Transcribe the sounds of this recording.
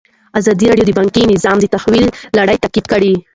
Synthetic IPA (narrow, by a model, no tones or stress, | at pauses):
azɑd̪iɾɑɖjod̪əbɑŋkinɪzɑmd̪ət̪ahwilːaɽəjt̪aqid̪̚kəɽi